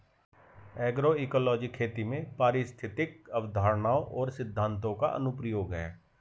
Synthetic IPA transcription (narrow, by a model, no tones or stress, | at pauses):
ɛːɡɾoiːkɔːlɔːd͡ʒikʰeːt̪imẽpaːɾɪst̪ʰɪt̪ɪkəʋd̪ʱaːɾɳaːoʔɔːɾsɪd̪ʱːãːnt̪õka̰ʔə̰nʊpɾəjoːɡɦɛː